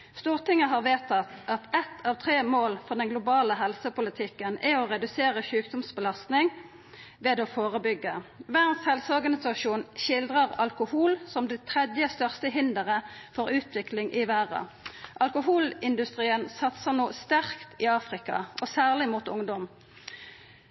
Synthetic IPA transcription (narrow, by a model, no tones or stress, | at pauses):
st̪uːʁt̪ɪŋəɦɑːʁʋeːt̪ʰɑt̪ːɑt̪ɛt̪ʰɑːʋt̪ʰʁeːmoːlfɔʁd̪ɛnɡlʊbɑːləɦɛlsəpʊlət̪ʰɪkːənɛɔʁɛd̪ʉseːʁəʃʉːkd̪ɔmsbəlɑst̪nɪŋ | ʋeːd̪ɔfoːʁəbʏɡːəʋæːʁnshɛlsɔʁɡɑnɪsɑʃuːnʃɪld̪ʁəʁɑlkʊhuːlsɔmd̪ɛt̪ʰʁɛd̪jəst̪œʁst̪əɦɪnd̪əʁəfɔʁʉːt̪ʰʋɪklɪŋʔɪʋæːʁɑ̰ʔɑlkʊɦuːlɪnd̪ʉst̪ʁiːənsɑt̪sənoːst̪æʁkt̪ʰɪɑːfʁɪkɑ̰ʔɔsæːʁlɪmut̪ʊŋd̪ɔm